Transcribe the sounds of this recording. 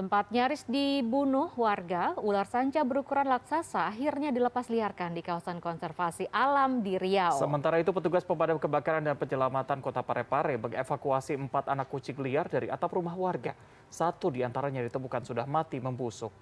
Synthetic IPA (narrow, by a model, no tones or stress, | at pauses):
t̪əmpat̪̚ɲaɾɪsdibunʊhwarɡaularsaɲt͡ʃabəɾukuɾanlaksasaːɦirɲadiləpasliarkandikawasankɔnsɛrfasiʔalamdiɾiawsəmənt̪aɾait̪upət̪uɡaspəmpadamkəbakaɾandanpəd͡ʒəlamat̪ankot̪apaɾɛpaɾɛməŋefakuasiəmpat̪anakːut͡ʃɪŋliardaɾia̰t̪aprumahwarɡa | sat̪udiant̪aɾaɲadit̪əmbukansudahmat̪iməmbusʊk̚